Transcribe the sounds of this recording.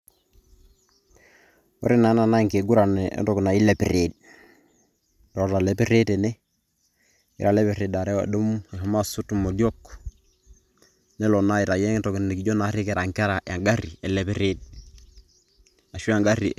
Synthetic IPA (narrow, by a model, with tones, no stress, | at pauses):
ɔ̰˦ɾi˦na˨˦na˨na˦˨ŋke˨ɡu˦ɾa˨nɛ̰˨˦ntɔ˨kna˨i˦lɛ˨pi˨ɾe˨d̚ | ɾɔ˨ta˨lɛ˨pe˦ɾe˦tɛ˨nɛ˦ | ḭ˦ɾa˨lɛ˦pɛ˨ɾe˨da˨ɾɛ˦wa̰˨du˦m˦ɛ˨ɦa˦ma˦su˦tu˨mo˨djɔ˦k | nɛ˦lɔ˨na˦i˨ɾa˨jɛ˦tɔ˨kn˨n˨ki˨˦d͡ʒɔ˦na˨˦ɾi˦kɛ˨ɾa˨ŋka˦ɾa˨ja˨ŋɡa˦ɾi˨ɛ˨lɛ˨pɛ˦ɾe˦d̚ | a˨ʃu˦a˨ŋɡa˦ɾi˨